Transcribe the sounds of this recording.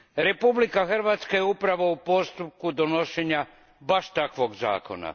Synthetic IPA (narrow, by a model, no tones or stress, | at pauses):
ɾe̞publikaxr̩ʋaːt̪skajeupɾaʋoupo̞st̪up̚kud̪onoʃeɲa | baʃt̪akʋo̞ɡza̰ːko̞̰na̰